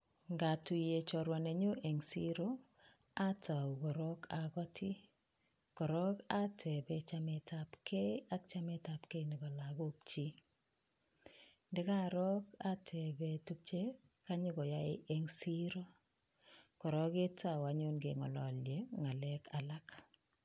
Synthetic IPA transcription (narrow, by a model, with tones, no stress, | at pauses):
ŋɡa˨tu˨je˨t͡ʃɔ˨ɾwa˨ne˨ɲo˦ʔe˨ŋsi˦ɾo˦ | a˦ta˨u˨ɡɔ˨ɾɔ˦kʰaɡɔ˦tʰi˦ | kɔ˨ɾɔ˦ka˦tʰɛ˨bɛ˨t͡ʃamɛ˨tʰapkʰe˦a˦k̚t͡ʃa˦mɛ˦ta˨pke˦nɪ˨ba˨la˨ɡo˦k̚t͡ʃi˦ | ndɛ˦ka˦ɾɔ˦ka˦tʰɛ˨bɛ˨tu˦k̚t͡ʃe˦ | ka˦ɲʊ˦kɔ˨ja̰˦ʔeŋsi˦ɾo˦ | kɔ˨ɾɔ˦ke˦ta˨wa˨ɲo˦nɡe˨ŋɔ̰˨lɔ˨ljeŋa˨lɛkʰa˨la˦k